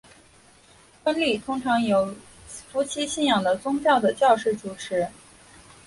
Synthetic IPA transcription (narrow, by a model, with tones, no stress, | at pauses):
fə˥nli˥˩t̪ʰʊ˥ŋʈ͡ʂʰɑ˧˥ŋjo˨˩˥ʊ | fu˧˥t͡ɕʰi˥ɕi˥˩njɑ˨˩ŋd̪ə˦t͡sʊ˥ŋt͡ɕjɑ˥˩ʊd̪ə˩t͡ɕjɑ˥˧ʊʂɻ̩˥˩ʈ͡ʂu˨˩ʈ͡ʂʰɻ̩˧˥